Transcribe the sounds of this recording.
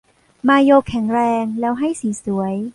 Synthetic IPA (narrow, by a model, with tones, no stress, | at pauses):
maː˧joː˧kʰːɛ˩˦ŋɾɛː˧ŋlɛː˦˥wɦa˥˩jsiː˩˦su˩˦əj